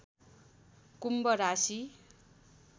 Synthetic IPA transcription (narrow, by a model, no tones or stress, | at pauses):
kumbʌɾasi